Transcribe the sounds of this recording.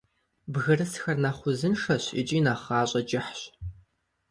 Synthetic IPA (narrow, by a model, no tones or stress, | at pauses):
bɣɐrɨsxɐrnɐχʷʊzɨnʂɐɕɪ̰t͡ʃʼiːnɐχɑːɕʼɐt͡ʃʼɪħɕ